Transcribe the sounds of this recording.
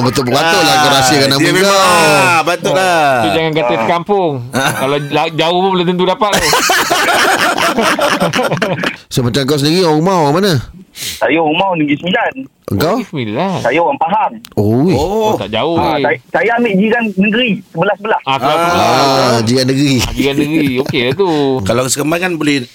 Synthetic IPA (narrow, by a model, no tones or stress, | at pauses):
bət̪ʊbat̪olakaɾasiakanamikaawbat̪oat̪ud͡ʒaŋanɡat̪əsəkampʊŋkalaad͡ʒaʊhpʊblət̪ənt̪̬udapat̪̚ʊ | somat͡ʃamŋkawsəndiɾiomawaŋmanasajaoɣumawnəɡisəmilan | ʔə̰ŋkawsəmilansajaoɣaŋpaɦamojt̪a̰ʔd͡ʒaoasajamiʔd͡ʒiɾannəɡəɾisəbəlahsəbəlasʔakalaad͡ʒiɡanːəɡɾid͡ʒiɾanːəɡɾiokedat̪ukalawkəsəkəmakanbolɛh